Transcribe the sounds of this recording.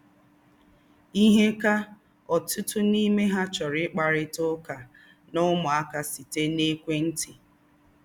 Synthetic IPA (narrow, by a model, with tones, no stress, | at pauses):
i˦ɦe˦ka˦ | ɔ˨tʊ˦tʊ˦ni˦me˦ɦa˦t͡ʃɔ˨ɾɪ˦k͡pa˨ɾɪ˦tʊ˦ka˨ | nʊ˦mʊ˨a˦ka˨si˨te˦ne˦kʷe˦n̩˦ti˨